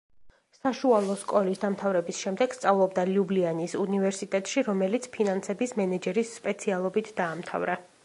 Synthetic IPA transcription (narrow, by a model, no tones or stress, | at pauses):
saʃualˠɔskʼɔlisd̪amt̪ʰavɾɛbisʃɛmd̪ɛɡ̥st̪sʼavlˠɔbd̪aliublianisunivɛɾsit̪ʼɛt̪ʼʃiɾɔmɛlit̪sʰpʰinansɛbismɛnɛd͡ʒɛɾisːpʼɛt̪sʰialˠɔbit̪ʰd̪aːmt̪ʰa̰vɾa